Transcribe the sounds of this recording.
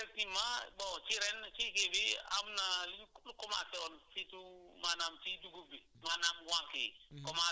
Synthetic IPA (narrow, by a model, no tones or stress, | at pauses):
etimabɔt͡ʃiɾɛnt͡ʃikebia̰mnalikulukɔmasɛɔnsitumanamt͡ʃiduɡobi | manamwaŋkḛkɔma